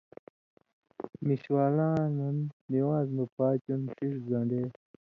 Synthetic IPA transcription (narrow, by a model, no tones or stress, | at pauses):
miɕwaːlãːnɐnːiwãːzmɐpaːt͡ɕunʂiʂzãɳɖeː